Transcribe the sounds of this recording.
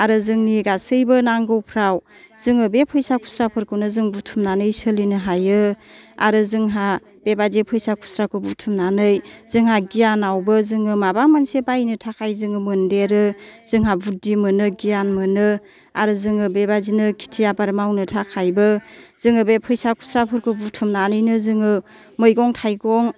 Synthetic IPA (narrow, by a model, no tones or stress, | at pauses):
aɾɯzɯŋniɡasɯjbɯnaŋɡɯwpʰɾaw | z̥ɯŋɯbepʰɯjsakʰu̥sɾapʰɯɾkʰɯwnɯzɯŋbutʰumnanɯjsɯlinɯɦajɯa̰ɾɯzɯŋɦa | b̥ebadepʰɯjsakʰu̥sɾakʰɯbutʰumnanɯjz̥ɯŋɦaɡijanawbɯzɯŋɯmabamansebajnɯtʰakʰajzɯŋɯmɯndeɾɯz̥ɯŋɦabudimɯnɯɡijanmɯnɯ | aɾɯzɯŋɯbebazinɯkʰi̥tʰijabaɾmawnɯtʰakʰajbɯz̥ɯŋɯbepʰɯjsakʰu̥sɾapʰɯɾkʰɯbutʰumnanɯjnɯzɯŋɯ | mɯjɡɔŋtʰajɡɔŋ